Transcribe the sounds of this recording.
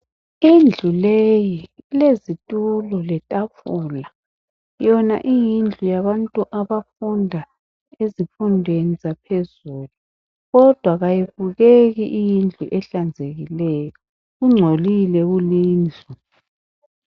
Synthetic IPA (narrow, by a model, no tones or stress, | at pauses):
ind͡ɮʱulejilezitʼulɔlɛtʼafuːla | jɔna̰ʔijind͡ɮʱujaβantʼuʔaβafundʱa | ezifundʱwenizapʰezuːlu | ɣɔd̥ʱwaɣajiβuɣeɣiʔijind͡ɮʱuʔɛɬand͡zʱeɣilɛjɔ | ɣuŋ͡ǀʱolilɛɣuliːnd͡ɮʱu